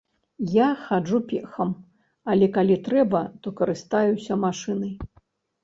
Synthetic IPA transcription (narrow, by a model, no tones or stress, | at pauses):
jaxad͡ʐupʲɛxɐm | ɐlʲɛkalʲit̪ɾɛbɐt̪ɔkɐɾɨst̪ajusʲɐmaʂɨnɐj